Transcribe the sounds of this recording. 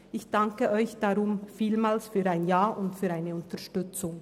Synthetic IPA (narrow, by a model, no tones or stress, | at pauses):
ʔɪçd̥aŋkəʔɔʏçd̥aʁʊmfiːlmaːlsfyːaɪnjaːʔʊntfyːɐaɪnəʊntɐʃtʏt͡sʊŋ